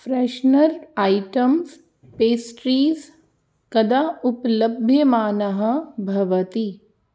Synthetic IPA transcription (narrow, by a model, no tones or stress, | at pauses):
fɾɛːʃnɐɾaːiʈɐms | peːsʈɾiːz | kɐd̪auplɐbʱjɐmaːnɐɦɐ̆bʱɐʋɐt̪i